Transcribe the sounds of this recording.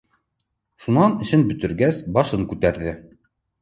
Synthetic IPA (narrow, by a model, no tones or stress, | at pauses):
ʃunɑnɘ̆ɕɘnbɵ̆t̪ɵ̆ɾɡæsbɑʃɤŋkʉt̪æɾðɘ